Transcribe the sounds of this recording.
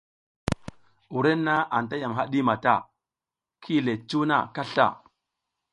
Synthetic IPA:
u˨ɾe˦nːa˦ʔa˨n˨ta˦ja˨mɦa˦ɗi˦ma˨ta˦˨ | kʰi˦˨le˨t͡ʃu˦na̰˦˨ka˦ɬa̰˦˨

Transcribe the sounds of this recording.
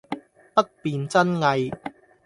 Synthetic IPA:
pɐ˥t̚piː˨nt͡sɐ˥nŋɐ˧j

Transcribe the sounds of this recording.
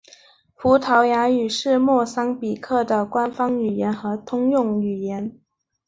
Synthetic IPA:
fu˧˥t̪ʰɑ˧˥ʊja˧˥y˨˩ʂɻ̩˥˧mwɔ˥˩sɑ˥ŋpi˨˩kʰɤ˥˩d̪ə˨kwa˥nfɑ˥ŋy˨˩jɛ˧˥nxɤ˧˥t̪ʰʊ˥ŋjʊ˥˩ŋy˨˩jɛ˧˥n

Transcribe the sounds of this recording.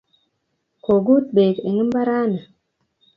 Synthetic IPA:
ko˨ɡu˦t̪̚ɓe˨ke˨ŋi˦m˦ba˦ɾa˦na˨

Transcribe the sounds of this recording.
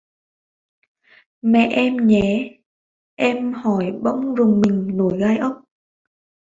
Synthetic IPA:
mɛ̰˧˨ʔʔɛ˧mɲɛ˨˦ | ʔɛ˧mhɔ˧˩jɓə̰˧˥wŋ͡mzʊ˨˩ŋ͡mmï˨˩ŋ̟no˧˩jɣaː˧jʔə˦˥wŋ͡m̚

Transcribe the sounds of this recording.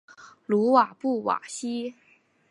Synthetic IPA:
lu˧˥wa˨˩pu˥˩wa̰˨˩ɕi˥

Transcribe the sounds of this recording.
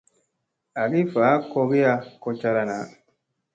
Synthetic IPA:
a˨ɡi˦faː˨˦ko˧ɡi˦ja˧ko˧t͡ʃa˧ɾa˧na˨˦

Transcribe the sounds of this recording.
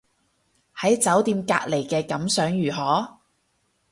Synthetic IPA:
hɐ˨˥jt͡sɐ˨˥wt̪iː˧mka̰ː˧k̚le˨˩jkɛː˧kɐ˨˥msœː˨˥ŋjyː˨˩ɦɔː˨˥

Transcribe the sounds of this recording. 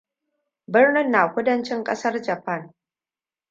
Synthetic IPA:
bɪ˦rnɪ˦˨nːaː˨kʷʊ˦dɐ˦nt͡ʃɪ˦ŋkʼɐ˦sɐ˦rd͡ʒɐ˨pɐ˦˨n

